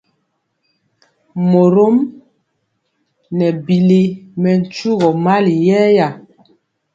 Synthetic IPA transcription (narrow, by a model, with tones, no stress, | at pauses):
mo˨ɾo˦m | nɛ˨bi˨le˦mɛ˨n̩˨˦t͡ʃu˦ɣɔ˨ma˦li˨jɛː˦ja˨